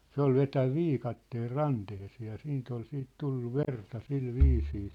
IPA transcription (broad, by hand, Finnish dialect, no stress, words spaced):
se ol ʋetæʋ ʋiːkɑtːeːl rɑnteheseː jɑ siːnt ol siːt tulːu ʋertɑ sil ʋiːsiː